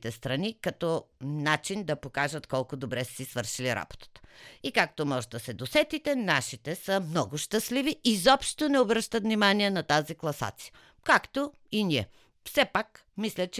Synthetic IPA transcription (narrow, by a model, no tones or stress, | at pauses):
t̪ɛst̪ɾɐnikɐt̪ɔnat͡ʃind̪ɐpokaʒət̪kɔlˠkod̪obɾɛssisvɤɾʃiliɾa̰b̥o̥t̪ə̥t̪ə̥ikak̚t̪omɔʒd̪ɐsɛd̪osɛt̪it̪ɛnaʃit̪ɛsəmnɔɡʊʃt̪ɐsliviizɔpʃt̪onɛobɾəʃt̪ət̪vnimaniɛnɐt̪aziklˠɐsa̰t̪si̥jə | kakt̪o | iniɛ | fsɛpak | mislʲɐt͡ʃɛ